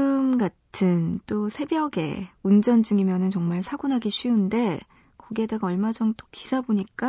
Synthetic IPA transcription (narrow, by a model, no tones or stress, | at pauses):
ɯmɡatʰɯnt͈osʰe̞bjʌɡe̞̰und͡ʑʌnd͡ʑuŋimjʌnɯnt͡ɕʌŋmaɭsʰaɡonɦaɡiɕʰɥiunde̞ | koɡe̞daɡaʌɭmad͡ʑʌŋt͈o̥kisʰaboɲik͈a